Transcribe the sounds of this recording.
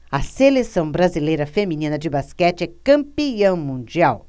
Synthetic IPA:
ɐselesɐ̃w̃bɾazilejɾɐfemĩnĩnɐd͡ʒɪbaskɛt͡ʃɪɛkɐ̃mpiɐ̃w̃mũd͡ʒiaw

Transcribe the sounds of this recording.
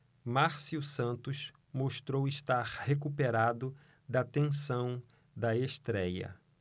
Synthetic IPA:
maɾsiwsɐ̃nt̪ʊʃ | moʃt̪ɾowɪʃt̪aɾhekupeɾad̪ʊ | d̪ɐt̪ẽsɐ̃w̃ | d̪ɐeʃt̪ɾɛjɐ̰

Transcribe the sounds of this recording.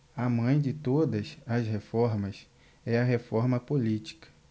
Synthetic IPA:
amɐ̃j̃d͡ʒɪt̪od̪ɐsɐshefɔɾmɐs | ɛɐɦefɔɾmɐpolit͡ʃi̥kɐ̥

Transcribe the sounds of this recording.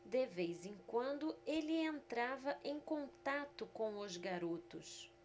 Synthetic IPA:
d̪evejzẽkwɐ̃nd̪ʊelɪẽnt̪ɾavɐʔẽj̃kõnt̪at̪ʊkõw̃ʊzɡaɾot̪ʊs

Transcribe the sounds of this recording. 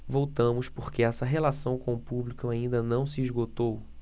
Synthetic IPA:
vowt̪ɐ̃mʊspoɾkeɛsɐɦelasɐ̃w̃kõʊpublikʊaĩnd̪ɐnɐ̃w̃siiʒɡot̪ow

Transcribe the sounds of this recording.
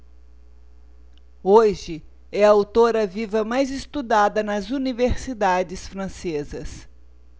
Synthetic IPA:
oʒɪ | ɛɐawt̪oɾɐvivɐmajzɪst̪ud̪ad̪ɐnɐzuniveɾsid̪ad͡ʒɪsfɾɐ̃sezɐs

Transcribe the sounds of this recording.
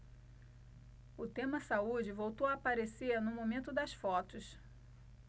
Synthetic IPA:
ʊt̪ẽmɐsaud͡ʒɪvowt̪owaːpaɾeseɾnʊmomẽnt̪ʊd̪ɐsfɔt̪ʊs

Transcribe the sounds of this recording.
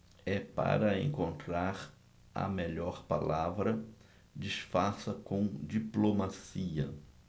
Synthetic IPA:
ɛpa̰ɾɐḛ̃ŋkõnt̪ɾaɾ | ɐ̰meʎɔɾpa̰lavɾɐ | d͡ʒisfasɐkõd͡ʒiplomasiɐ

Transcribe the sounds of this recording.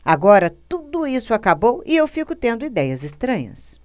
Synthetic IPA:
aɡɔɾɐt̪ud̪ʊisʊakabowɪewfikʊt̪ẽnd̪ʊid̪ɛjɐzɪst̪ɾɐ̃ɲɐ̰s

